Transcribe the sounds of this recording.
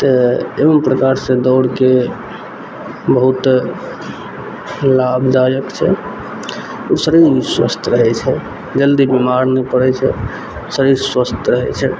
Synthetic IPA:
t̪əeʋənpɾəkaɾsẽd̪ɔɽke | bəɦut̪ | labʱd͡ʒajəkt͡ʃʰɛ̰ | usəɾiɾswə̰st̪ɾəɦɛt͡ʃʰɛ | d͡ʒəld̪ibimaɾnɛpəɽɛt͡ʃʰɛ | səɾiɾswəst̪ɾəɦɛt͡ʃʰɛ

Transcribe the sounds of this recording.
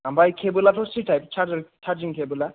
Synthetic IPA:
ambajkʰebulatʰɔsiʈʰajp̚t͡ʃʰaɾd͡ʒɔt͡ʃʰaɾd͡ʒiŋkʰebula

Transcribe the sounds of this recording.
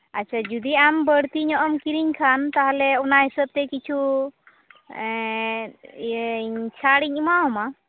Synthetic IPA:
a̰tːt͡ʃʰad͡ʒud̪iambəɽt̪iɲɔʔɔmkiɾiɲkʰant̪aɦalɛɔnaɦɛsəb̚t̪ɛkit͡ʃʰu | t͡ʃʰaɽiɲumaɦɔma

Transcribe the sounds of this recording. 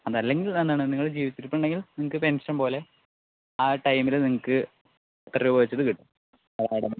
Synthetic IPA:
ɐðɐlːe̞ŋɡilnɐnːaːɳɨniŋːɐɭd͡ʑiːʋit͡ɕːiʈːɨpːɐɳɖeŋɡilniŋɐkːɨpe̞nʂɐnpo̞ːle̞ | aːʈɐjmilniŋɐkːɨ | ɐt̪ːɐriʋɐɐʋit͡ɕːɐðɨkiʈːum | ɐðaːjiɽɐmɐ

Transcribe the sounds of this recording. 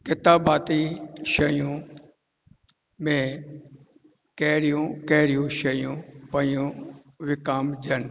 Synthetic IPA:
kɪt̪aːbaːt̪iʃɐjũː | mẽ | kɛɦɾijũːkɐɦɾijũːʃəjũːpɐjũ | ʋɪkaːmd͡ʒən

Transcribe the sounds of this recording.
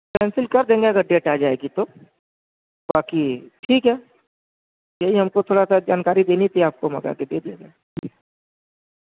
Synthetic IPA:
kɛ̃ːnsɪlkɐɾd̪ẽːŋɡeɐɡəɾɖeːʈaːd͡ʒaːeɡit̪o | baːkiʈʰiːkɦɛː | jɐɦiɦɐmkot̪ʰoːɽasad͡ʒaːnkaːɾid̪eːnit̪ʰiaːp̚komɐ̰ɡa̰ked̪ḛːd̪ieːɡaː

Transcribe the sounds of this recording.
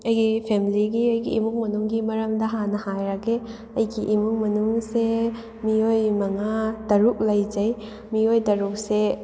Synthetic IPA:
ɐjɡipʰemiliɡiɐjɡiḭmuk̚mɐnuŋɡimɐɾɐmdɐɦanɐhajɾɐke | ɐjɡiʔimuŋ̚mɐnuŋse | miojmɐŋatɐɾuk̚lɐjd͡ʒɐj | miojtɐɾuk̚se

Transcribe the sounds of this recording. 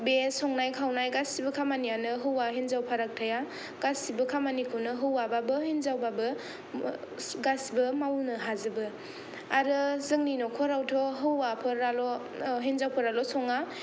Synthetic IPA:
besɔŋnajkʰawnajɡasibɯkʰamanijanɯɦɯwaɦinzawpʰaɾak̚tʰaja | ɡ̥asibɯkʰamanikʰɯwnɯɦɯwːababɯɦinzawbabɯ | ɡasibɯmawnɯɦazɯbɯ | aɾɯzɯŋninokʰɔɾawtʰoɦɯwapʰɯɾalo | ɦinzawpʰɯɾalosɔŋa

